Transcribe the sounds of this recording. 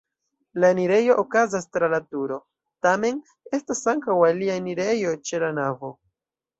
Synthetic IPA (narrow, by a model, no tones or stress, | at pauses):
laniɾe̞jo̞ʔokazastɾalatuɾo̞ | tame̞n | e̞stasaŋkawalianiɾe̞jo̞t͡ʃe̞lanavo̞